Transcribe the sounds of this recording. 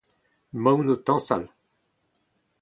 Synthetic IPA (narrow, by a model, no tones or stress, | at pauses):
mawnot̪ɑ̃sa̰l